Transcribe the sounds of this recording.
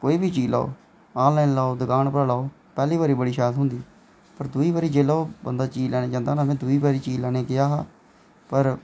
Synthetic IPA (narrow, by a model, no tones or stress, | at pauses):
koːiːbʱiːt͡ʃiːla̰ːo̰ː | aːllaːɪnlaːod̪əkaːnpəɾlaːoː | pɛːliːbaːɾiːbəɽiːʃaːt̪ɦʊnd̪iː | pəɾd̪uiːbaːɾiːd͡ʒeːlaːobə̰nd̪aːt͡ʃiːlɛːnẽːd͡ʒãːnd̪aːnaːmɛ̃ːd̪ʊiːbaːɾiːt͡ʃiːlɛːneːɡɪjaːɦaː | pəɾ